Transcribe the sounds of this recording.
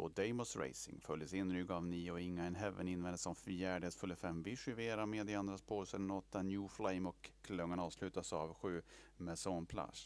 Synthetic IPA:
ɔd̪ɛɪmɔsɾḛjsɪ̰ŋfœljəsɪnːɾʏɡavniːɔɪŋːaɛnɦɛvə̰nɪnvɛnd̪əsɔmfjæːɖt̪sfɵlːəfɛmvɪʂɪveːɾaɾmeːd̪ɪand̪ɾaspʰoːsəd̪ɛnɔt̪ʰːanjuːflɛɪmɔkkʰːlœŋːaɳɑːvslʉ̟ːt̪asavɧʉ̟ːmɛsɔnpʰla̰ʂ

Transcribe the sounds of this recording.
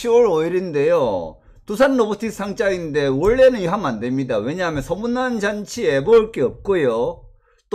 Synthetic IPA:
ɕʰiwʌɾʌiɾinde̞jo | tusʰanːobotʰis͈ʰaŋt͡ɕ͈ainde̞wʌɭːe̞nɯnɦamande̞mɲidawe̞ɲaɦamjʌnsʰʌmunːand͡ʑant͡ɕʰie̞mʌɯɭk͈eʌp̚k͈ojo | t͈o

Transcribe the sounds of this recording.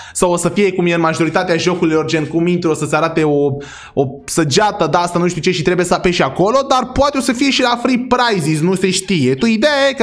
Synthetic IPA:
sawosəfijekumjeɨnmaʒo̞ɾit̪at̪eaʒo̞kulijord͡ʒenkumint̪ɾuosət̪seaɾat̪e̞o | osəd͡ʒat̪əd̪aast̪anuʃt̪iut͡ʃe̞ʃit̪ɾe̞bujesəapeʃiako̞lo̞d̪arpoat̪eosəfije̞ʃilafɾipɾajzis̬nuse̞ʃt̪ije̞t̪uid̪ejajek

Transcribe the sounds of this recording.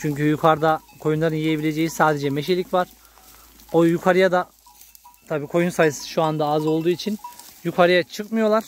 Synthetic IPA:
t͡ʃʰyɲcyjukʰaɾd̪a | kʰo̞junlˠaɾɯnjejebilʲe̞d͡ʒe̞jisaːd̪ed͡ʒɛmeʃ̬elʲicvaɾ̥ | o̞jukʰaɾɯjad̪a | t̪ʰabiːkʰo̞junsajɯsɯ̥ʃuand̪aazo̞lˠd̪uːit͡ʃʰinjukʰaɾɯjat͡ʃʰɯkmɯjo̞lˠaɾ̥

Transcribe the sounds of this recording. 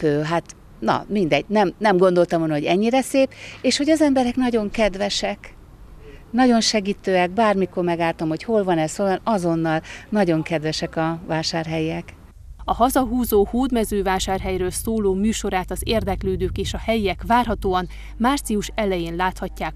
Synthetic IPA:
pøːɦat̪ | nɒ̰mind̪ɛɟ̚nɛmnɛmɡo̞nd̪o̞lt̪ɒmolnɦoɟɛɲːiɾɛseːpeːʃhoɟɒzɛmbɛɾɛknɒɟo̞ŋkɛd̪vɛʃɛk | nɒɟo̞nʃɛɡiːt̪øːɛɡ̚baːrmikormɛɡaːlt̪ɒmho̞cho̞lvɒnɛsoːlvɒnɒzo̞nːɒlnɒɟo̞ŋkɛd̪ʋɛʃɛkɒvaːʃaːrɦɛjːɛk | ɒɦɒzɒɦuːzoːhoːd̪mɛzøːvaːʃaːrɦɛjrøːlsoːloːmyːʃo̞ɾaːt̪ɒzeːrd̪ɛkløːd̪øːkeːʃɒhɛjːɛkʋaːrɦɒt̪oːɒn | maːrt̪siuʃɛlɛjeːnlaːt̪hɒcːaːk

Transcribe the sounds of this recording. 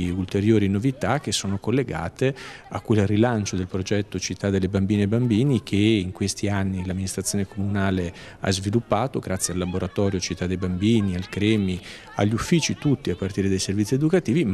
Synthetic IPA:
ult̪eɾjoːɾinovit̪ak̟esːoːnokolːeɡa̰ːt̪ea̰kːwelrilant͡ʃod̪elpɾod͡ʒɛt̪ːot͡ʃit̪ːad̪ːelːebambiːneebambiːnikʰeiŋkwest̪ianːilamːinist̪ɾat̪sjoːnekomunaːle | a̰zvilupːaːt̪oɡɾʔat̪sːjealːaboɾat̪ɔːɾjot͡ʃit̪ːad̪ːejbambiːnialkɾɛːmi | a̰ʎːufːiːt͡ʃit̪ut̪ːiapːart̪iːɾed̪ajservit̪sied̪ukat̪iːvi

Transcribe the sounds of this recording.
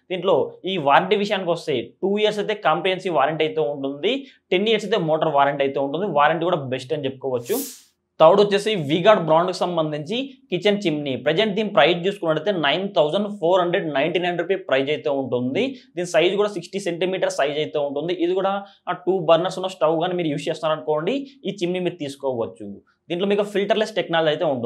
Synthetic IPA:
d̪̥iːɳʈlo̞ːiːʋaːɾɐɳʈiʋiʂ̬ɐjaːnikiʋɐst̪ejʈuːijɐɾs̬ɐjt̪e̞ːkaːmpeɦensiːʋaːɾɐɳʈɐjt̪e̞ːuɳʈund̪iʈeniːɐɾsɐjt̪eːmoːʈɐɾʋaːɾɐɳʈɐjt̪eːuɳʈund̪iʋaːɾɐɳʈɡuːɽaːbesʈɐnit͡ʃepːu̥kɔːʋɐt͡ʃːu | t̪ɐʋɽut͡ʃːeːsiʋiːɡaːɖbɾaːɳɖkusɐmbɐnd̪iɲt͡ʃikit͡ʃɐnt͡ʃimnipɾed͡ʒeɳʈ̚d̪iːnipɾɐjd͡ʒt͡ʃuːsukunːɐɽɐjt̪eːnɐjnt̪ʰɐwzɐɳɖpʰoːɾɦɐɳɖɾeɖnɐjɳʈiːnɐjnɖɾupiːpɾɐjd͡ʒɐjt̪e̞ːuɳʈund̪id̪iːnisɐjd͡ʒkuːɽaːsiksʈiseɳʈimiːʈɐɾsɐjd͡ʒɐjt̪e̞ːuɳʈund̪iʔid̪ikuːɽaʈuːbɐɾnɐɾsunːɐsʈɐwɡaːnemiːɾujuːst͡ʃeːst̪unːaɾɐnukoːɳɖiiːt͡ʃimnimiːɾut̪iːsu̥kɔːʋɐt͡ʃːu | d̪̥iːɳʈloːmiːkupʰilʈɐɾlesʈʈeknaːld͡ʒɐjt̪eːuɳʈu

